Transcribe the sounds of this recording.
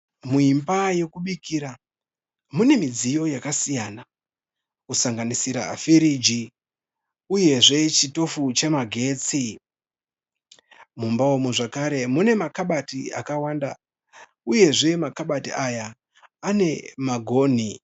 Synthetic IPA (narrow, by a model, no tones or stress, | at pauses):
muimbaje̞kuɓikiɾa | mune̞mid͡zijo̞jakasijana | kusaŋɡanisiɾa̰ːfiɾid͡ʒi | uje̞ʐe̞t͡ʃito̞fut͡ʃe̞maɡʱe̞ːt͡si | mumbaomuʐakaɾe̞mune̞makaɓatia̰kawanda | uje̞ʐe̞makaɓatiʔaja | ane̞maɡʱo̞ːn̤i